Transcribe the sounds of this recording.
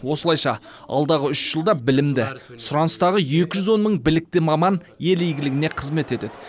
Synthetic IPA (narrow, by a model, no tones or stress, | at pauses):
wo̞səlˠɑjʃɑɑ̰lˠd̪ɑʁəʏʃʒ̥əlˠd̪ɑbɪlɪmd̪ɪsʊɾɑnəst̪ɑʁəje̞kʲɪʒʏzwo̞nməɴbɪlɪk̚t̪ɪmɑmɑn | je̞lejɡʲɪlɪɡʲɪne̞qʰəzme̞t̪e̞t̪e̞d̪ɪ